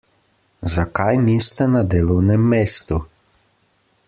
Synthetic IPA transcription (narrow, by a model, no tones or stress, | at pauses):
zakajnist̪ɛnad̪eːlɔwnɛmːeːst̪u